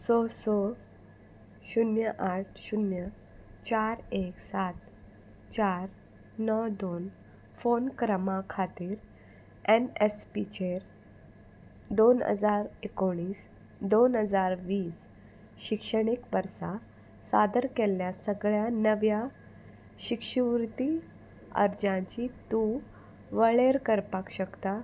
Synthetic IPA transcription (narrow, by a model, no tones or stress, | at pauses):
sɔsɔ | ɕunjəʔaʈ̚ʰɕunjə | t͡ɕaɾeksat̪ | t͡ɕaɾ | nɔwd̪on | fonkɾəmãkʰat̪iːɾ | ɛnespit͡ɕeɾ | d̪onə̰d͡zaɾekoɽ̃iːs | d̪onɦəd͡zaɾʋiːs | ɕikʂəɽikʋəɾsa | sa̰d̪əɾkeljasəɡɭjanəʋja | ɕikʂiʋɾt̪i | ə̰ɾd͡ʑãt͡ɕit̪ũ | ʋəɭeɾkəɾpakɕəkt̪a